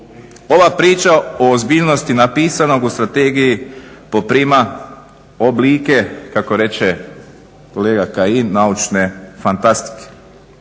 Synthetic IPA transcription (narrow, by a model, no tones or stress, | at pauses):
o̞ʋapɾiːt͡ʃaoozbiːʎno̞st̪inapiːsano̞ɡust̪ɾat̪eːɡijipo̞pɾiːma | obliːkekako̞ɾe̞t͡ʃe | ko̞leːɡakainːaut͡ʃne̞fant̪ast̪i̥ke̥